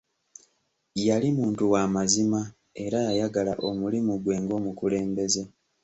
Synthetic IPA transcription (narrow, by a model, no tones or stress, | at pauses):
jalimuːntuwaːmazima | e̞ɾajajaɡalaʔo̞mulimuɡwe̞ːŋɡo̞ːmukule̞ːmbe̞ze̞